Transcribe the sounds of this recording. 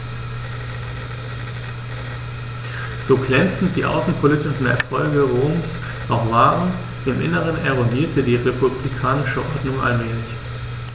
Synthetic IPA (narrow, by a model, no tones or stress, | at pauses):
z̥oːɡlɛnt͡sn̩t̚d̥iːʔa̰ʊsn̩pʰolitɪʃn̩ɛ̰ɐfɔlɡəʁoːms | nɔʊxv̥aːʁən | ɪmʔɪ̰nəʁ̞ənɛʁ̞oniːɐtʰədiːʁepublikʰaːnɪʃəʔɔɐdnʊŋʔa̰lmɛːlɪç